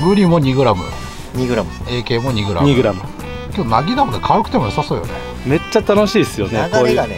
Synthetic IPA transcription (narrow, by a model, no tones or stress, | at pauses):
ɡɯ̟ɾʲimo̞ɲ̟iɡɯ̟ɾamɯ̟̰ | ɲiɡɯɾaeːke̞ːmo̞ɲ̟iɡɯ̟ɾa̰ɲmɲiɡɯ̟ɾamɯ̟ | kʲeodonaɡʲid̪amod̪ekʰaɯkɯ̟t̪e̞mojsasoːjo̰nḛ | me̞t͡ɕːat̪ano̞ɕiːsɨjonekoː